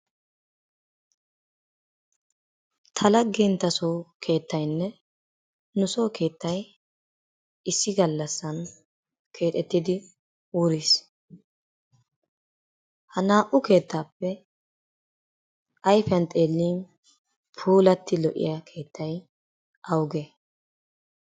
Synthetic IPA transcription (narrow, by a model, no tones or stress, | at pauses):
t̪ʰɐlɐɡːɛnt̪ːɐsoːkʰe̞ːt̪ːɐjnːɛ | nʊso̞ːkʰe̞ːt̪ːɐj | ɪsːɪɡɐlːɐsːɐn | kʰe̞ːt̪ʼɛt̪ːɪd̪ɪ | uːɾis | hɐnaːʔʊke̞ːt̪ːaːpːɛ | ɐjfɐnt̪ʼeːlːiːn | pʰuːlɐt̪ːɪlɔʔɪ̰jɐkʰe̞ːt̪ːɐj | ʔɐwʊɡe